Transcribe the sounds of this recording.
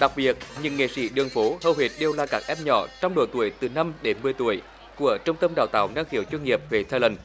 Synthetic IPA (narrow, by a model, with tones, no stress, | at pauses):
ɗa˨˩k̚ɓi˨˩ət̚ɲɨ̰˧˥ŋːḛ˧˨˩sḭ˧˥ɗɨ˨˩əŋfo˨˦həː˧˨˩whwe˨˩t̚ɗe˨˧˩wlaː˧˩kaː˦˥k̚ʔɛ˦˧˥p̚ɲɔ̰˧˦t͡ɕɔ˧wŋ͡mɗo̰˧˩t̪u˧˩əjt̪ɨ˨˩na˧mɗe˨˦nmɨ˨˧˩əjt̪u˧˩əj | ku˧˩ət͡ɕʊ˧ŋ͡mt̪ə˧mɗa̰ː˧˨wt̪aː˧˨wna˧ŋxi˧˩əwt͡ɕwə˧nŋi˨˩əp̚ve˨˩t̪ʰaː˧lə˧˩ŋ